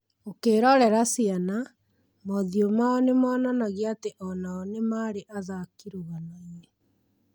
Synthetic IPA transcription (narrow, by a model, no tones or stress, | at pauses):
okeːɾɔɾɛɾasiana | mɔðiomaɔnemɔːnanaɣeateʔɔnaɔnemaːɾeʔaðakiɾoɣanaje